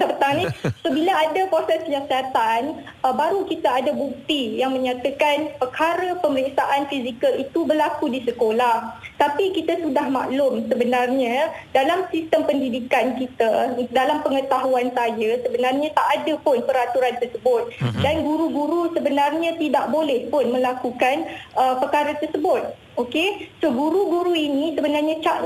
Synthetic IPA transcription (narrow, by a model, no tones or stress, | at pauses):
apət̪aŋnisobilaadapɾosɛskəjasiat̪an | əbaɾukit̪aːdabuk̚t̪ijaŋmə̃ɲãt̪akanpərkaɾəpəməlɛksaʔanfizikəlit̪ubərlakudisəkolaht̪apikit̪asudahma̰ʔlʊmsəbənarɲãdalamsist̪əmpəndidikankit̪adalampəŋət̪aɦuansajasəbənarɲãt̪aʔːdəpʊnpəɾat̪uɾant̪ərsəbʊt̪̚danɡuɾuɡuɾusəbənarɲãt̪idaʔbolɛhpʊnmə̃lakukanʔəpərkaɾət̪ərsəbʊt̪̚ | okesoɡuɾuɡuɾuinĩsəbənarɲãt͡ʃaʔ